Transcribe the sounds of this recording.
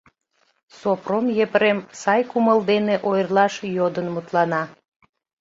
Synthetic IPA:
sopromjepəɾemsɑjkuməld̪eneʔojrlɑʃjod̪ənmut̪lɑnɑ

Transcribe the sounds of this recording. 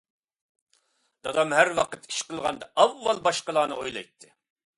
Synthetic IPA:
d̪̥ɑd̪ɑmhæɾwɑqət̪i̥ʃqəlˠʁɑnd̪ɑʔɑvːɑlˠbɑʃqəlˠɑːnɨ̰ojlˠɑ̰jt̪ʰːɪ

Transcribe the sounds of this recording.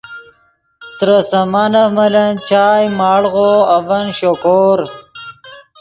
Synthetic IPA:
t̪ɾɐsɐmanɐmɐlɐnt͡ɕaːjmaːɽɣoɐvɐnɕokoːɾ

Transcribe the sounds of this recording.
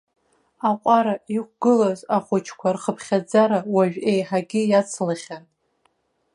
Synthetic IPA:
aqʷʼaɾaikʷɡ̥ɨlazaχʷʊt͡ʃʰkʷʰarχəpʰχʲad͡zaɾawaʒᶣejħaɡʲɪjat͡sʰlaχʲan

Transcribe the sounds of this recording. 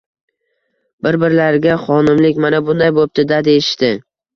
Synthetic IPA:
bɪɾbɪɾlaɾɡʲaχɒnɪmlɪkʲmanabʊnd̪ajbop̚t̪ɪd̪ad̪ejɪʃt̪ɪ

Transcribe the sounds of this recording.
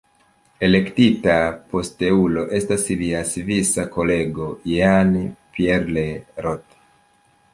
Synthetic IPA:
e̞le̞ktitapo̞ste̞ulo̞ʔe̞stasliasivisako̞le̞ɡo̞janpieɾleɾot

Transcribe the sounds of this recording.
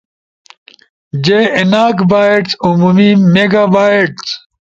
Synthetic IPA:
d͡ʑeinaːkbaːeʈt͡sumuːmimeːɡaːbaːeʈt͡s

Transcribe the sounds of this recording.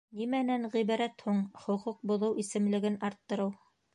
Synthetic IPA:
nimænænʁiβɑɾæt̪huɴχŏquq̚bŏðɤwʔisɘ̆mlɘ̆ɡɘnɑɾt̪ːɤ̆ɾɤw

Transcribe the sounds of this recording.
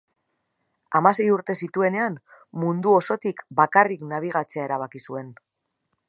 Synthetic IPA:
amase̞juɾt̪e̞sit̪ue̞ne̞an | mund̪uo̞so̞t̪ikbakariknaβ̞iɣ̞at͡se̞ae̞ɾaβ̞akisue̞n

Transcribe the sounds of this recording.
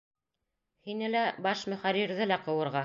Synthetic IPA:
hinɘlæbɑʃmɵ̆χæɾiɾðɘlæqɤ̆wɤ̆ɾʁɑ

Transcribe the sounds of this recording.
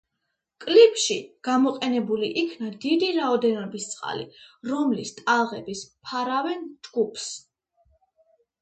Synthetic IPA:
kʼlipʰʼʃiɡ̥amɔqʼɛnɛbuliʔikʰnad̪id̪iɾaɔd̪ɛnɔbist̪sʼqʼa̰lḭɾɔmlist̪ʼalˠʁɛbispʰaɾavɛnd͡ʒ̪ɡupʰs

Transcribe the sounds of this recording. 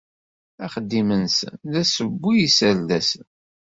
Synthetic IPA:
æχəd̪ːimənsə̰nðæsəbːijisældæsən

